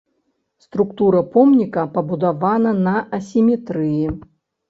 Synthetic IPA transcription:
st̪ɾukt̪uɾɐpɔmnʲikɐpɐbud̪avanɐnɐʔɐsʲimʲɛt̪ɾɨji

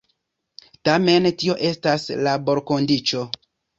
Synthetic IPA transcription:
tame̞ntio̞ʔe̞staslabo̞ɾko̞ndit͡ʃo̞

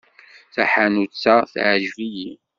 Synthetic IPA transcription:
θaħanut͡sːaθʕʒviji

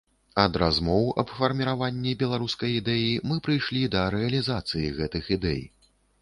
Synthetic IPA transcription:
ɐd̪ɾazmɔwɐ̰bfɐrmʲiɾavanʲːibʲɛlˠaɾuskɐjid̪ɛjimɨpɾɨjʂlʲid̪ɐɾɛɐlʲizat̪sɨjḭɣɛt̪ɨxid̪ɛ̰j

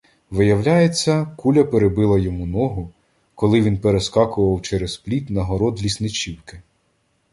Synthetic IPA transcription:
ʋɪjɐwlʲajet͡sʲːɐkulʲɐpeɾebɪlˠɐjɔmunɔɦʊ | kɔlˠɪʋʲinpeɾeskɑkʊʋɐwt͡ʃɛɾezplʲit̪ʲnɐɦɔɾɔd̪lʲisnɪt͡ʃʲiwkɪ

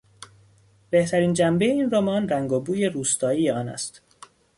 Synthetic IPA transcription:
be̞ht̪ʰæɾiːnd͡ʒæmbe̞jeiːnromɒːnræŋɡobuːje̞ɾuːst̪ʰɒːiːjeɒːnæ̰st̪

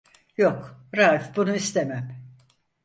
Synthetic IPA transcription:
jokɾaːfbunuist̪ʰemæm

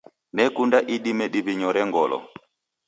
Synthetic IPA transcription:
nɛkundaʔiɗimɛɗiβiɲɔɾɛŋɡɔlɔ̰

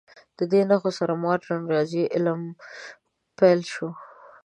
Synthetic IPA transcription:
d̪̥əd̪enaxosaɾamɑʈanɾɑziʔɪlm | pejlʃo

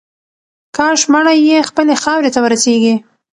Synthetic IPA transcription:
kɑʃmaɽajexpəlexɑwɾet̪awəɾaseɡi

